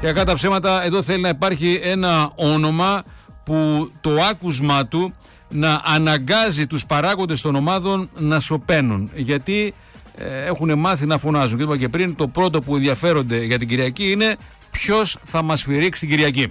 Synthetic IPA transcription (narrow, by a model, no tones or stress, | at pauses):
ceɐkɐt̪ɐpse̞mɐt̪ɐe̞ðo̞θe̞linɐipɐɾçie̞nɐo̞no̞mɐput̪o̞ɐkuzmɐt̪u | nɐʔɐnɐɡɐzit̪uspɐɾɐko̞nd̪est̪o̞no̞mɐðo̞nːɐso̞pe̞nunʝɐt̪i | e̞xune̞mɐθinɐfo̞nɐzuncet̪pɐce̞pɾint̪o̞pɾo̞t̪o̞puenðiɐfe̞ɾo̞nd̪e̞ʝɐt̪iɟiɾiɐciine̞ | pço̞sθɐmɐsfiɾiksi̥t̪iɟiɾiɐci